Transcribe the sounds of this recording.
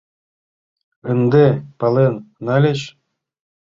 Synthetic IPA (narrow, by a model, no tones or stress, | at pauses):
ənd̪epɑlˠenːɑlʲeɕ